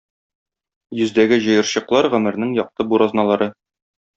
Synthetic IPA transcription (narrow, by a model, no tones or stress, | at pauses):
jɵ̆zd̪æɡɘʑɤ̆jɤ̆ɾɕɤ̆qlˠɑɾʁɵ̆mɘ̆ɾnɘŋjɒq̚t̪ɤbuɾɑznɑlˠɑɾɤ